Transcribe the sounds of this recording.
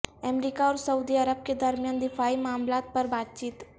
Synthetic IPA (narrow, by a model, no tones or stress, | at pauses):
əmɾiːkaɔːɾsɐuːd̪iɐɾəb̚ked̪ɐɾmjaːnd̪ɪfaːimaːmlaːt̪̚pɐɾbaːt̪̚t͡ʃiːt̪